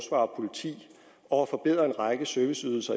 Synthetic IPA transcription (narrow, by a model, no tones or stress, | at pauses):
sʋɑ̰̈pʰo̝lit͡sʰḭː | ɒæfɒ̽b̥e̝ð̞̰ˠʁɐe̝nʁɑ̈ɪɡ̥əsøɐʋisyðˠl̩sɐ